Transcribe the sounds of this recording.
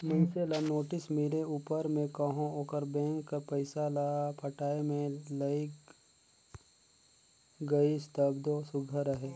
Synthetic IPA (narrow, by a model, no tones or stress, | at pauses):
mʊnselanoːʈɪsmɪleuːpəɾmẽkɐɦõoːkəɾbɛ̃ːŋkːapɐɪsalapʰɐʈaːemẽlɐik | ɡɐist̪əbd̪osʊɡʱəɾəɦeː